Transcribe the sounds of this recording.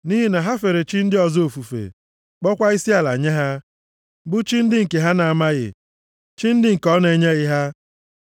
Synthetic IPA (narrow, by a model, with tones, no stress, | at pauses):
ni˦ɦi˦na˨ɦa˦fe˨ɾe˨t͡ʃi˦n̩˦dɪ˦ɔ˨zo˨fu˨fḛ˨ | k͡pɔ˦kʷa˦i˦si˦a˨la̰˨ɲe˦ɦa˦ | ɡ͡bʊ˦t͡ʃi˦n̩˦dɪ˦ŋ̩˨ke˨ɦa˦na˨a˨ma˦ɣɪ̰˨ | t͡ʃi˦n̩˦dɪ˦ŋ̩˨kɔ˦ne˨ɲe˦ɣɪ˦ɦa˦